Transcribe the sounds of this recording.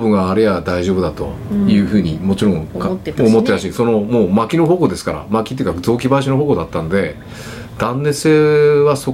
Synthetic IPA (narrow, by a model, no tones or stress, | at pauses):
bɯ̟̃ŋɡaːɾejad̪aiʑo̞ːbɯ̟d̪at̪o̞̰jɯ̟ːɸɯ̟ːɲ̟imo̞t͡ɕiɾõ̞ŋkomot̪ːe̞ɾaɕiso̞no̞mo̞ːmakʲino̞ɦoko̞d̪e̞sɨ̥kaɾa̰makʲi̥t̪eiɯ̟kazo̞ːk̬ʲibaiɕino̞ɦo̞ːko̞d̪at̪ːano̞d̪e̞ | d̪̥ãnːe̞se̞ːβaso̞